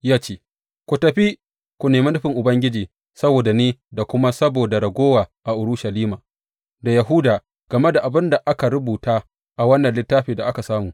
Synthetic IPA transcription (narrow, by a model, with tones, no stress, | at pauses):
jaː˦t͡ʃeː˦ | kʷu˨tɐ˨ɸi˦ | kʷu˨neː˨mi˦nʊ˦ɸɪ˨ŋʔʊ˨bɐ˦ŋɡʲɪ˦d͡ʒiː˨ | sɐ˦boː˨da˨niː˦da˨kʷʊ˦ma˦sɐ˦boː˨da˨ɽɐ˨ɡʷoː˦waː˨ʔa˨ʔʊ˨ɽʊ˦ʃa˨liː˦maː˨ | da˨ja˨ɦʊ˦daː˨ | ɡ̥ɐ˨me˦da˨ʔa˨bɪ˦nda˨ʔa˦ka˨ɾʊ˦buː˨taː˦ | ʔa˨wɐ˦nːɐ˨nlɪ˦tːaː˦ɸeː˨da˨ʔa˦ka˨saː˦muː˨